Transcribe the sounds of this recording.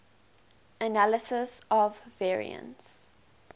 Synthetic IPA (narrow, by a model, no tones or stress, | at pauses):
ənaləsəsɔvːɛːɹḭə̰̃nts